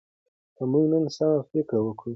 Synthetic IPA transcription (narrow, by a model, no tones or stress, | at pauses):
kəmuɡnənsamafɪkɾawəkɽu